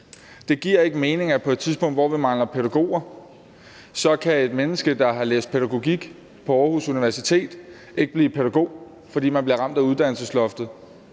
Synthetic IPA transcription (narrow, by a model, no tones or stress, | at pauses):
d̥e̝ɡ̥iɐ̰e̝ɡ̥əme̝ːne̝ŋæpʰɒ̽e̝d̥t͡sʰiðsb̥ɔ̽ŋ̰d̥ʋɒ̰ʋimɑ̈ŋlɐpʰeɾæɡ̥o̝̰ːɐ | sɒ̽kʰæe̝d̥menəsɡ̥əd̥ɑ̈ɦɑ̈lḛːsd̥̚pʰeɾæɡ̥o̝ɡ̥iɡ̥ | pʰɒ̽ɒːhusuniʋæɐsit͡sʰe̝̰ːd̥ | e̝ɡ̥əb̥liːpʰeɾæɡ̥o̝̰ː | fɒ̽d̥ḭːmænb̥liɐʁɑ̈m̰d̥æuð̞ˠd̥æn̰lsəslɒ̽fd̥ð̩ˠ